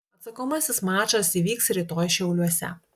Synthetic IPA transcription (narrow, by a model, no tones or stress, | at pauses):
ɐt̪sɐkoːmɐsʲɪsmɑːt͡ʃɐsiːʋʲiːksɾʲiːˑt̪oːjʃʲɛʊlʲuɔsʲɛ̰